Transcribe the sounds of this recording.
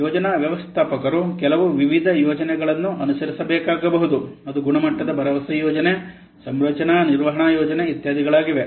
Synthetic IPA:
jɔːd͡ʒɐnɐʋjɐʋɐst̪ʰaːpɐkɐɾukɛlɐʋuʋiʋid̪ʱɐjɔːd͡ʒɐnɛɡɐɭɐnːuʔɐnusɐɾisɐbɛːkaːɡɐbɐɦud̪uɐd̪uɡuɳɐmɐʈːɐd̪ɐbɐɾɐʋɐsɐjɔːd͡ʒɐne | sɐmɾɐt͡ʃɐnɐniɾʋɐɦɐɳaːjɔːd͡ʒɐneit̪jaːd̪ʱiɡɐɭaːɡiʋe

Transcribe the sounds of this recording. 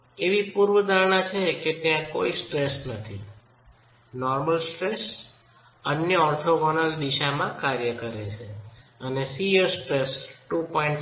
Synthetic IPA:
eʋipuɾʋəd̪aɾɳat͡ʃʰeket̪jãko̰isʈɾesnət̪ʰḭ | nɔɾməlsʈɾes | ənjəɔɾt̪ʰoɡɔnəld̪iʃamãkaɾjəkəɾet͡ʃʰeənesijəɾsʈɾesʈupɔiɳʈ

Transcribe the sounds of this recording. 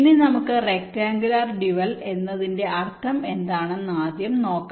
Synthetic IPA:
nːenɐmukːɨrek̚ʈaːŋɡilarɖiʋɐle̞nːɐðinde̞ʔɐrt̪ʰɐme̞nd̪aːɳɨnaːd̪jɐmno̞ːkːɐ

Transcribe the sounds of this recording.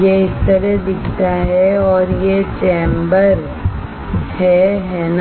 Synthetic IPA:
jeɪst̪əɾɛd̪ɪkʰt̪aɦɛɔːɾjet͡ʃẽːmbəɾ | hɛɦɛːn

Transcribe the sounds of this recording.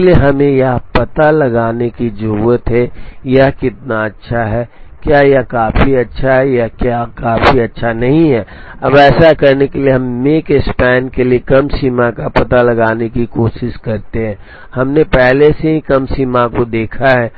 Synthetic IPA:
lieɦɐmẽjɐɦpɐt̪alɐɡaːnekid͡ʒʊɾuːət̪ɦɛjaɦkɪt̪̚naɐtːʃʰaɦɛːkjaːjakaːfiɐtːʃʰaɦɛjakjaːkaːfiɐtːʃʰanɐɦĩɦɛːɐbɛːsakɐɾnekelieɦɐmːekɪspɛːnkeliekɐmsiːmakapɐt̪alɐɡaːnekikoːʃɪʃkɐɾt̪eɦɛ̃ː | hɐmnepɛɦleseɦĩkɐmsiːmakod̪eːkʰaɦɛː

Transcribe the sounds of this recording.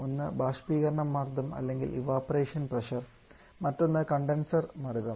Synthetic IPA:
onːɨbaːʂpiːɣɐɾɐɳɐmːaːrd̪ʱɐmɐ̰lːe̞ŋɡḭlʔḭʋaːpɐreːʂɐnprɐʂɐr | mɐtːo̞nːɨkɐɳɖensɐrmɐɾuɣɐm

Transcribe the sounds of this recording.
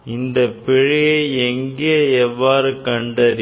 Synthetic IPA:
ɪnd̪ɐpːɛɻɪjeɛŋɡeːɛʋːaːɾɯkɐɳɖɐɾ

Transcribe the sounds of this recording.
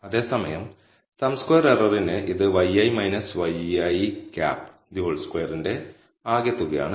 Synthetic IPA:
ɐðe̞ːsɐmɐjɐm | sɐmskojɐrerɐrinɨʔiðɨʋɐjɐjmɐjnɐsʋɐjɐjika̰ːpː | d̪ioɭskwejɐrinde̞ | aːɡjɐt̪ːuɣɐja̰ːɳɨ

